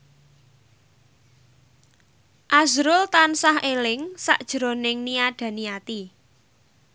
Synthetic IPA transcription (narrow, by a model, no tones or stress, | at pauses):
ʔazɾʊlt̪ansahelɪŋsa̰ʔd̥ʒ̥ɾonɪŋniaɖ̥ä̤niat̪i